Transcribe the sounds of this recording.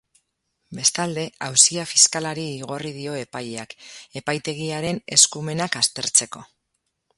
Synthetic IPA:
be̞st̪ald̪e̞awsiafiskalaɾiːɣ̞o̞riðio̞e̞pajeake̞pajt̪e̞ɣ̞iaɾe̞ne̞skume̞nakast̪e̞ɾt͡se̞ko̞

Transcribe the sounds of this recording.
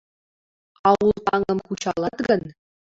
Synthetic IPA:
ɑwulˠt̪ɑŋɤ̆mkut͡ɕɑlˠɑt̪ɡə̆n

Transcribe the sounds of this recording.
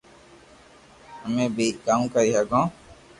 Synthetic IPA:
ɦəmẽːbiːkaːũːkəɾiːɦəɡõː

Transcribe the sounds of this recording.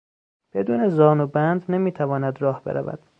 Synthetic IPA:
b̥e̞d̪uːne̞zɒːnubænd̪nemiːt̪ʰævɒːnæd̪ɾɒːhbe̞̰ɾæ̰væ̰d̪̥

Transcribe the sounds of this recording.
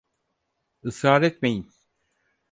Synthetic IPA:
ɯsaːɾɛt̪mejin

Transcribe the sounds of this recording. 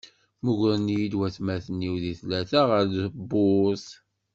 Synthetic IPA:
muʝɾənijilwæθmæθənːiwðiθlæθaʁəɾðəbːʊs

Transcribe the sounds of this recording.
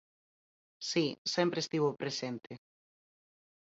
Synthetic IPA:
sisempɾeːst̪iβopɾesent̪e

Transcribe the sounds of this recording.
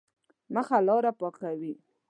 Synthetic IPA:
məxalɑɾapɑkawi

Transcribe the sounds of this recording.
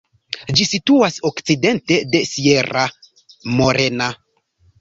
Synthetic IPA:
d͡ʒisituasokt͡side̞nte̞de̞sie̞ɾa | mo̞ɾʔena

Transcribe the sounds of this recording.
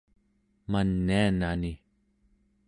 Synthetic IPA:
manːianani

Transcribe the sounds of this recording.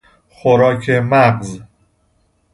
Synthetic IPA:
xoɾɒːcʰemæɢz

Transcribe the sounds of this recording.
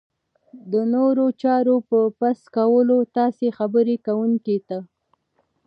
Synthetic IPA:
d̪ənoɾot͡ʃɑɾopəpaskawəlot̪ɑsexabəɾekawuŋket̪a

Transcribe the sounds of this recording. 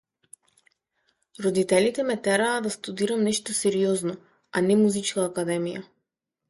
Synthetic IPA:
ɾɔd̪it̪ɛlit̪ɛmɛt̪ɛɾaːd̪ast̪ud̪iɾamnɛʃt̪osɛɾiɔznɔ | anɛmuzit͡ʃkaːkad̪ɛmija

